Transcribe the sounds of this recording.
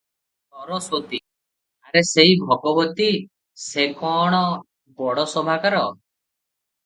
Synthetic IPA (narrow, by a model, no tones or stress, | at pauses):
t̪ɔɾɔsot̪i | aɾeseibʱɔɡɔbɔt̪i | sekɔɽ̃ɔ | bɔɽɔsɔmakaɾɔ